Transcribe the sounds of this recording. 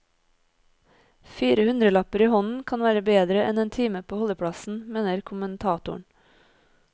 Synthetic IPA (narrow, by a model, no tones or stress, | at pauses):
fiːɾəhʉnd̪ɾəlɑpəɾiːhɔnn̩kʰɑnʋæːɾəbeːd̪ɾəʔɛneːnt̪ʰiːməpʰoːhɔləpʰɽɑsn̩meːnəɾkʰʊmənt̪ʰɑːt̪ʊɳ